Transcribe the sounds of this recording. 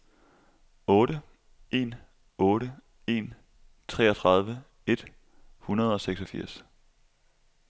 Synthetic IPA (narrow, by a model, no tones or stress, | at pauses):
ɔ̽ːɾə | ʔe̝̰ːn | ɔ̽ːɾə | e̝n | t͡sʰʁɛ̰ːɒt͡sʰʁɑ̈ð̞ˠʋə | e̝d̥ | hunɐð̞ˠɒ̽seɡ̥sɒ̽fiɐ̰s